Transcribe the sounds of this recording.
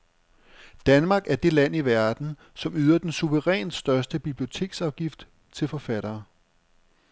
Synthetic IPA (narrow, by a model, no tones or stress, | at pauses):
d̥ænmɑ̈ːɡ̥æɐd̥e̝læn̰iʋæɐd̥n̩ | sɒ̽myːð̞ˠɐd̥ensuʋəʁɛ̰ːnsd̥ɶɐsd̥əb̥ib̥lio̝t͡sʰe̝̰ːɡ̥sɑ̈ʊɡ̥ifd̥ | t͡sʰe̝lfɒ̽fæɾ̥ɐː